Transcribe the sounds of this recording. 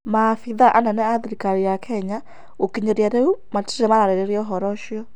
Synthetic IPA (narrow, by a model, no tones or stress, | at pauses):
mafiðaʔananɛaðiɾikaɾijakʰɛɲa | okiɲɔɾiaɾeumati̥ɾɛmaɾaɾɛɾeɾiɔɦɔɾɔʃjɔ